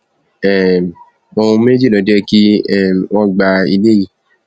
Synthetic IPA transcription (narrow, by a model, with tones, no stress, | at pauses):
ɛ˨m˨ | o˧ũ˧me˦d͡ʒi˦˨lɔ̃˨d͡ʒɛ˦ki˦ɛ˦˨mwɔ̃˦ɡ͡ba˧i˧le˦ji˦˨